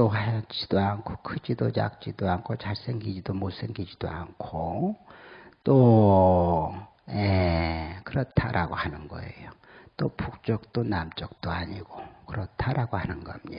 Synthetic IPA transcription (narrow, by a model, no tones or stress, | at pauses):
toat͡ɕid̥oankʰokʰɯd͡ʑidoja̰k̚t͡ɕ͈id̪oankʰot͡ɕaɭs͈eŋɡid͡ʑidomos͈eŋɡid͡ʑid̥̪oaŋkʰo | t͈o | jekɯɾʌtʰaɾʔaɡohanɯnɡʌ̰ḛjo | t͈opʰuk̚t͡ɕ͈ʌk̚t͈onamt͡ɕʌk̚t͈oaɲiɡ̥okɯɾʌtʰaɾaɡohanɯnɡʌmɲi